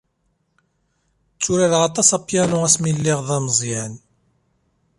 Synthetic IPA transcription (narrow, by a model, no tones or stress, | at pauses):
t͡sːuɾaɾʁɑt̪ˤɑsɑpːjænʊæsmilːɪʁðˤɑmzˤjan